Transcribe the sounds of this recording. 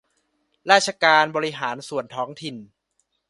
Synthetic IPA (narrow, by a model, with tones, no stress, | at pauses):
ɾaː˥˩sʰa˧kaː˧nbɔː˧ɾi˦˧ɦaː˩˦nsu˨˩ənt̪ʰɔː˦˥ŋt̪ʰi˨˩n